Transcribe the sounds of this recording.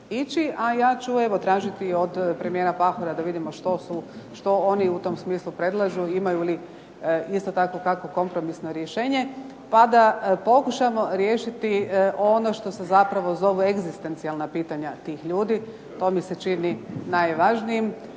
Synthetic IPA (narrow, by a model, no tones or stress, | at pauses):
it͡ʃiʔajaːt͡ʃueʋot̪ɾaːʒit̪iod̪pɾe̞mije̞ɾapaxoɾad̪aʋid̪imoʃt̪osuʃt̪o̞o̞niut̪o̞msmiːslˠupɾe̞d̪lˠaʒuimajuli | ist̪o̞t̪akʋokako̞ko̞mpɾo̞misno̞ɾjeʃe̞ːɲe̞ | pad̪apo̞kuʃamo̞ɾjeːʃit̪io̞noʃt̪o̞se̞zapɾaʋo̞zo̞ʋueɡzist̪e̞nt̪sialnapiːt̪aɲat̪iːxʎuːd̪i | t̪o̞ːmiset͡ʃininajʋaʒnijim